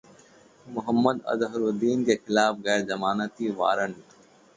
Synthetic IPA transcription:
mʊɦəmːəd̪ɐ̰zɦɾud̪iːnkexɪlaːfɣɛːɾzɐmaːnət̪iːʋa̰ːɾəɳ

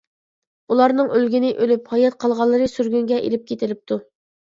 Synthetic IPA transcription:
ulˠɑɾnɨŋʔølɡʲɪnɪʔølyphɑjɑt̪̚qʰɑlˠʁɑlˠːɨɾɨsyɾɡʲyŋɡʲɛʔḛlɪp̚kʲʰet̪ɪlɪp̚t̪ʰu

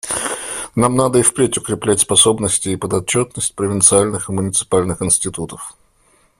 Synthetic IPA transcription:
namnad̪əɪfpɾʲetʲʊkɾʲɪplʲætʲspɐso̞bnəsʲtʲɪːpəd̪ɐt͡ɕːot̪nəsʲtʲpɾəvʲɪnt̪sɨalʲnɨxɨmʊnʲɪt̪sɨ̥palʲnɨxɪnsʲtʲɪt̪ut̪əf

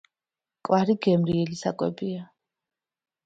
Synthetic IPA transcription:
kʼwaɾiɡɛmɾiɛlisa̰kʼwɛ̰bia

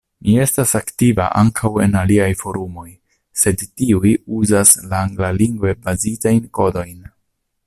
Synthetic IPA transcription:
mie̞stasaktiva̰ʔaŋkʰawe̞naliajfo̞ɾumo̞j | se̞dtiujuzaslaːŋɡlaliŋɡve̞bazitajnko̞do̞jn

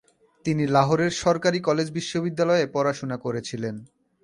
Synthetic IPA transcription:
t̪inilaɦoɾeɾʃɔɾkaɾikɔled͡ʑbiʃːobid̪ːalɔepɔɾaʃonakoɾet͡ɕʰilen

